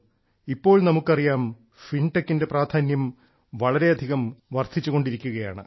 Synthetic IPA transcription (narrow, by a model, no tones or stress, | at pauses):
ipːo̞ːɭnɐmukːɐrijaːm | finʈekːinde̞praːd̪ʱʰaːnjɐm | ʋɐɭɐɾe̞ɐd̪ʱiɣɐmʋɐrt̪ʰːit͡ɕːuɣo̞ɳɖiɾikʲːuɣɐja̰ːɳɨ